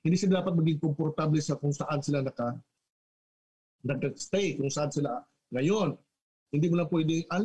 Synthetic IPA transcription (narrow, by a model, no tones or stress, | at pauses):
hɪnd̪isɪlad̪aːpɐt̪̚mɐɡɪŋkompoɾt̪ablɛsɐkʊŋsɐʔad̪sɪlanɐkɐ | nɐɡ̚d̪ɐst̪ɛjkʊŋsɐʔad̪sɪla | ŋɐjon | hɪnd̪iːmʊlɐpwɛːd̪ɪʔɐl